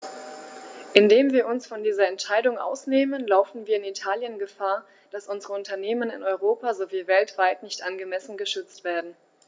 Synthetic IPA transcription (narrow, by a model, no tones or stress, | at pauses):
ʔɪndeːmviːɐʊnsfɔndiːzɐɛntʃaɪdʊŋʔa̰ʊsneːmənlaʊfn̩viːɐɪnitʰaːljənɡəfaːɐ | d̥asʔʊnzəʁəʊntɐneːmənɪ̰nɔʏʁ̞oːpazoviːvɛltv̥aɪtnɪçtʔanɡəmɛsn̩ɡəʃʏt͡stv̥eːɐdn̩